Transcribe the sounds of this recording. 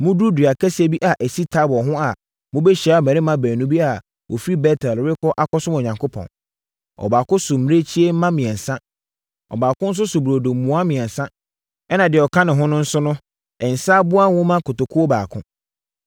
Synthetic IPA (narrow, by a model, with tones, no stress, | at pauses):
mʊ̃˦du˦dɥa˨kʰæ˦si˦e˦bi˦ʔa˨ʔæ˨si˦tʰa˦bɔ˨ɦʊ̃˦a˨ | mʊ̃˦be˦ɕi˨a˨mæ̃˨ɾɪ˦mã˨bæː˨nũ˦bi˦a˨ | wʔo̰˨fɾi˦bɛ˦tʰɛ˨lɾɪ˦kɔ˦ʔa˦kɔ˦sʊ̃˦mɔ˨ɲã˨ŋkʰʊ˦pʰɔ̰̃˨n | ɔ̰˨baː˨kʊ̃˦sʊ˨m̩˨m̃˦e˦t͡ɕʰi˦e˦m̩˦mã˦mɪ̃˨ɛ˨n̩˨sã˦ | ɔ̰˨baː˨kʰʊ̃˦n̩˦s̬ʊ˦sʊ˨bu˨ɾo˨do˨m̩˨mũ˨a˦mɪ̃˨ɛ̃˨n˨sã˦ | ɛ˦nã˨dɪ˨ɔ˨kʰã˦nɪ̃˨ɦʊ̃˦nʊ̃˦n̩˦sʊ˦nʊ̃˦ | ɛ˨n̩˨sa˦bʊ˦a˦wʊ̃˦mã˦kʊ˨tʊ˨kʰʊ˦ɔ˦ba̰ː˨kʰʊ̰̃˦